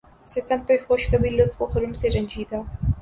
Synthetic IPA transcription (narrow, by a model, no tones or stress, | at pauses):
set̪ɐmpexoʃkɐbilːot̪foxʊɾumseɾɐɲʲd͡ʒiːd̪aː